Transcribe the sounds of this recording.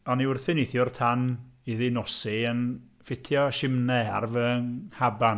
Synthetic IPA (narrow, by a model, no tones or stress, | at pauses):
ɔniʊrθɪnɪθjʊrtʰaniðɪnɔsiən | fɪtʰjɔʃɪmnɛarvəːnhaban